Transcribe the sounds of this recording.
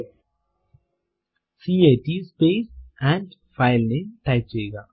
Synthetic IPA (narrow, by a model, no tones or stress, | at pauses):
siːeːʈispeːsɛ̃ːɳɖfʰaɪlneʈaɪp̚t͡ʃejɡaː